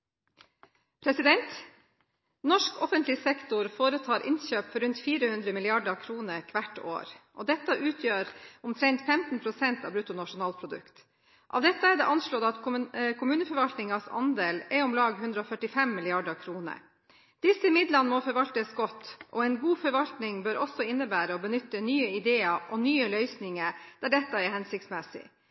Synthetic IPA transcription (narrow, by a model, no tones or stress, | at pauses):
pʰɾɛsɪd̪ɛnt̪ | nɔʂkɔfənt̪lɪsɛkt̪ʊɾfoːɾət̪ʰɑːɾʔɪ̰nɕøːpfɔɾʉnt̪fiːɾəhʉnd̪ɾəmɪlɪɑɖəkʰɾuːnəɾkʰʋæʈo̰ːɾʔɔːd̪ɛt̪ːɑʔʉːt̪ʰjøːɾʊmt̪ʰɾɛnt̪fɛmt̪n̩pʰɾʊsɛnt̪ɑ̰ːʋbɾʉːt̪ʊnɑʂʊnɑːlpʰɾʊd̪ʉ̰kt̪ | ʔɑ̰ʋd̪ɛt̪ːəæd̪ɛ̰ʔɑnʃɭoːd̪ɑt̪kʰkʰʊmʉːnəfɔɾʋɑlt̪nɪŋɑsɑ̰nd̪eːlɛɾʊmlɑːɡɦʉnd̪ɾəɔfœʈɪfɛmːɪlɪɑɖəkʰɾuːnə̰ | d̪̥ɪsəɪmɪd̪lɑnəmɔfɔɾʋɑlt̪əsɡɔt̪ːʔɔɛɪnɡuːfɔɾʋɑlt̪nɪŋbøɾɔsɔɪnːəbæːɾəɔbənʏt̪ːənyːəɪd̪eːɑʔɔnyːəlœʏsnɪŋəɾd̪̥æɖɛt̪ːɑɛɾhɛnsɪkt̪smɛsɪ̰